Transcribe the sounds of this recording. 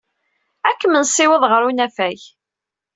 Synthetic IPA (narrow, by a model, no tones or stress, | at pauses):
ækːəmənsːɪwəðˤʁəɾunæfæj